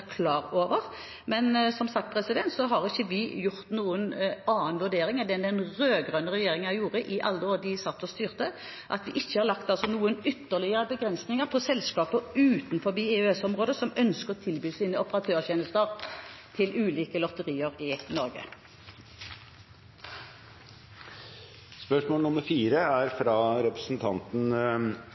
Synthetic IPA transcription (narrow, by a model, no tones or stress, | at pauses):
kʰlɑːʁoːʋəʁ | mɛnsɔmsɑk̚t̪̚pʰɾɛsɪd̪ɛnt̪sɔɦɑʁɪçːəʋɪjʊʁt̪nuːənɑːənʋʉɖ̪eːɾɪŋɑd̪ɛnd̪ɛnʁøːɡʁœnəʁɛjeːɾɪŋənæjuːɾəʔɪʔɑlːəoːd̪ɪsɑt̪ːɔst̪yːʁt̪ə | ʔɑt̪ʋɪʔɪçːəhɑɾʁlɑkt̪ɑlsɔnuːənʏt̪ːəʁlɪəəbəɡɾɛnsnɪŋəʁpʰɔsɛlskɑːpəʉːt̪nfɔʁbiːɛʉɛsɔmʁoːd̪əsɔmœnskəʁɔt̪ʰɪlbyːsiːnəɔpəʁɑt̪ʰøːʁçɛnəlst̪əʁt̪ʰɪlʉːliːkəlɔt̪əʁiːəʁɪnɔɾɡə̰ | spœʂmoːlnʊməɾfiːɾəæɾfɾɑɾɛpɾə̥sn̩t̪ʰɑnt̪n̩